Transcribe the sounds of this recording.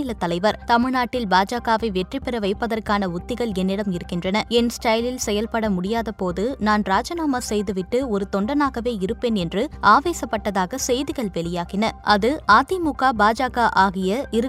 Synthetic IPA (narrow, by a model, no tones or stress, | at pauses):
ɪlɐt̪ːɐlɐɪʋɐɾt̪ɐmɪɻnaːʈːɪlbaːd͡ʒaːɣaːʋɐɪʋɛʈripːɪɾɐʋɐɪpːɐðɐrkaːnɐʊt̪ːɪɣɐɭɛnːɪɽɐmɪɾɯkːɪndrɐnɐɛnsʈɐɪlɪlsɛjɐlpɐɽɐmʊɽɪjaːðɐpoːðɯnaːnɾaːd͡ʒɐnaːmɐsɛjðɯʋɪʈːɯɔɾɯt̪ɔɳɖɐnaːɣɐʋeːɪɾɯpːeːnɛndrɯʔaːʋeːsɐpːɐʈːɐðaːɣɐsɛjðɪɣɐɭʋɛɭɪjaːɣɪnɐʔɐðɯʔaːt̪imʊkaːbaːd͡ʒaːɣaːʔaːɣɪjɐɪɾɯ